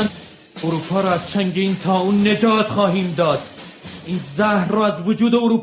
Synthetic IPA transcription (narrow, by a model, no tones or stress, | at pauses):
n | oɾuːpʰɒːɾɒːæz̥t͡ʃæŋɟeiːnt̪ʰɒːuːnːe̞d͡ʒɒːt̪χɒːɦiːmd̪ɒːd̪̥ | ʔiːnzæhrɒːæzvod͡ʒuːd̪e̞oɾuːp